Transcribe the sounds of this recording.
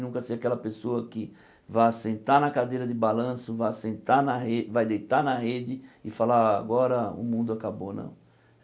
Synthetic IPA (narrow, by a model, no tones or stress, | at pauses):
nũkɐseakɛlɐpesoɐkɪ | vajsẽnt̪aɾnɐkad̪ejɾɐd̪ɪbalɐ̃sʊvajsẽnt̪anɐɦevajd̪ejt̪anɐɦed͡ʒɪɪfalaaɡɔɾɐʊ̰mũnd̪ʊakabonɐ̰̃w̃